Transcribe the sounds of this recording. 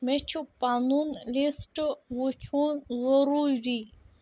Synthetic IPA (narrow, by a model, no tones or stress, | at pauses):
met͡ʃʰupaːnuːnlisʈwut͡ʃʰunzəɾuːɾiː